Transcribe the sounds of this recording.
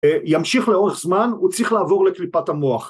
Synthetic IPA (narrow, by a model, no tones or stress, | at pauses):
jamʃiχleo̞ʁeχzmanut͡sʁiχlaːvo̞ʁle̞klipathamo̞aχ